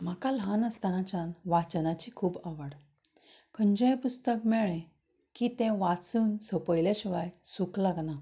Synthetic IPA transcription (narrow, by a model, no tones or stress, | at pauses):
m̤akalɦanəst̪anat͡ɕanʋat͡ɕənat͡ɕikʰuːbaʋəɽ | kʰəɲd͡ʑəjpust̪əkmɛɭẽ | kit̪ɛ̃ʋat͡suːnsəpəjleɕiʋajsuklaɡna